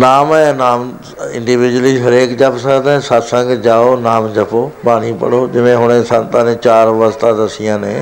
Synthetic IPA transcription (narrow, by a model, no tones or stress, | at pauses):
naːmɛ̃naːm | ɪ̃ɳɖɪʋɪd͡ʒəliɦɐɾeːkd͡ʒaːpsaːd̪ãsat̪sãŋɡd͡ʒaːonaːmd͡ʒɐpʰopaːɽipə̰ɽoːd͡ʒɪʋẽɦʊɽ̃ẽsãnt̪ãːnẽt͡ʃaːɾʋəst̪ad̪ɐsijãːnḛ̃ː